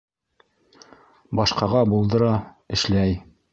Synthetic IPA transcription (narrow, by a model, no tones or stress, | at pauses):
bɑʃqɑʁɑbulˠd̪ɤ̆ɾɑ | ɘ̆ʃlæj